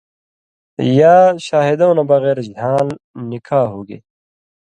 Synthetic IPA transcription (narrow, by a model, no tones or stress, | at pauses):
jaːɕaːɦid̪õwnabɐɣeːɾd͡ʑʱãːlnikʰaːɦoːɡḛː